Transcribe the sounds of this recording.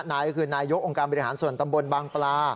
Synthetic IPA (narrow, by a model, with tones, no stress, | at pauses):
naː˧jkɔ˦˥kʰɯː˧naː˧jo˦˥k̚ʔo˧ŋkaː˧nbɔ˧ɾi˦ɦa̰ː˩˦nsu˨˩nt̪a˧mbo˧nbaː˧ŋplaː˧